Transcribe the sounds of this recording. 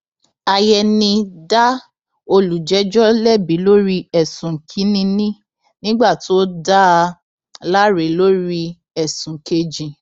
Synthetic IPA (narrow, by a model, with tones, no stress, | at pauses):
a˧jɛ˧nĩ˧da˦ | o˧lu˨d͡ʒɛ˨˦d͡ʒɔ˦lɛ˦˨bĩ˨˦lo˦ɾi˧ɛ˦˨sũ˨kʰi˨˦nĩ˧nĩ˦ | nĩ˦ɡ͡ba˦˨to˦da˦˧ | la˦ɾe˨˦lo˦ɾi˧ | ɛ˨sũ˨ke˧d͡ʒĩ˨